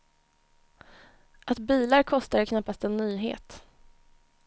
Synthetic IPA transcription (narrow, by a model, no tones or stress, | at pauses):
ʔat̪biːlaɾkʰɔst̪ad̪ɛkʰnapːast̪ɛnːyːɦḛːt̪